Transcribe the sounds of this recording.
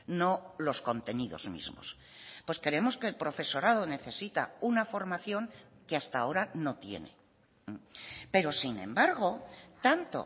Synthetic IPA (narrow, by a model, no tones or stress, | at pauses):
no̞lo̞sko̞nt̪e̞niðo̞̰zmḭzmo̞̰s | pweske̞ɾe̞mo̞ske̞ːlpɾo̞fe̞so̞ɾað̞o̞ne̞θe̞sit̪a̰unafo̞ɾmaθjo̞ŋkeast̪ao̞ɾano̞t̪je̞̰ne̞̰ | pe̞ɾo̞sinẽ̞̰mbaɾɣ̞o̞t̪ant̪o̞̰